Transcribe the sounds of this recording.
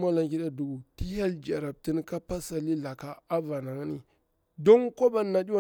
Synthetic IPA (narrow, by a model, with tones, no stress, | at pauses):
ma˦la˨ŋki˦ɗa˦du˨ɡu˨ti˦ha˦ld͡ʒa˨ɾa˨b̚ti˦n˦ka˦pa˦sa˨li˦la˨ka˦a˦va˨na˨ŋa˦ni˦ | do˦ŋko˦ba˦na˨di˦wa˦˨